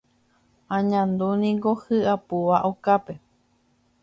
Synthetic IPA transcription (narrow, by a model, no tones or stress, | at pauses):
ãɲãnd̪unĩŋɡohɨapuʋaʔokape̞